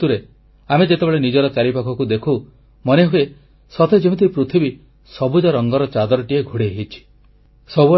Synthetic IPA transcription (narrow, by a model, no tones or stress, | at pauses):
uɾe | amed͡ʒet̪ebeɭenid͡ʒɔɾɔt͡ʃaɾipakʰɔkud̪ekʰu | mɔneɦue | sɔt̪ʰed͡ʒem̃t̪ʰipɾut̪ʰibi | sɔbud͡ʒɔɾɔŋɡɔɾɔt͡ʃad̪ɔɾɔʈieɡʱuɽeɦit͡ʃʰi̥ | sɔbu